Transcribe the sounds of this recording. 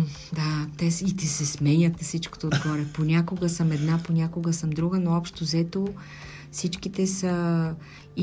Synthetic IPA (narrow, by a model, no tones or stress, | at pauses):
d̪at̪ɛsit̪ɛsɛsmɛɲʲət̪sit͡ʃko̥t̪oːd̪ɡɔɾɛponʲakoɡəsəmɛd̪naponʲakoɡəsəmd̪ɾuɡənoɔpʃt̪ozɛt̪o | sit͡ʃkit̪ɛsə | i